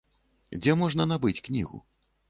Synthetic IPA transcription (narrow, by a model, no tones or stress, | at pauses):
d͡zʲɛmɔʐnɐnabɨt͡sʲknʲḭɣṵ